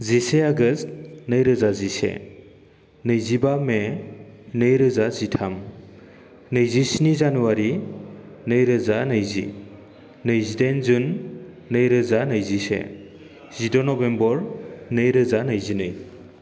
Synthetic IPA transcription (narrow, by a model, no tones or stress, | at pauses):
ziseaɡɯstnɯjɾɯzazisḛ | nɯjzibame | nɯjɾɯzazitʰam | nɯjzisinizanuwaɾi | nɯjɾɯzanɯjzḭ | nɯjzidenzunː | ɯjɾɯzanɯjzisḛ | z̥idɔnɔbembɔɾnɯjɾɯzanɐjzinɯj